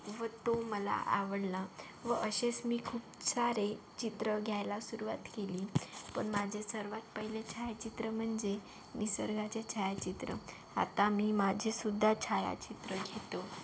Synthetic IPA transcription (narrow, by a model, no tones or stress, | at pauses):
ʋət̪oməla̰ʔaʋəɽla | ʋəʔəɕesmiːkʰuːpsaɾe | t͡ɕit̪ɾəɡʱjajlasuɾuʋat̪keliːpəɳmad͡ʑʱesəɾʋat̪̚pəɦilet͡ɕʰajat͡ɕit̪ɾəm̤əɳd͡ze | miːsəɾɡat͡ɕet͡ɕʰajat͡ɕit̪ɾə̰ | a̰t̪amiːmad͡ʑʱesud̪ʱːat͡ɕʰaja̰t͡ɕit̪ɾəɡʱet̪o